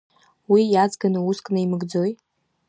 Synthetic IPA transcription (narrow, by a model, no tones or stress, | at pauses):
wijad͡zɡanɨuskʼnɨimɨɡd͡zo̞j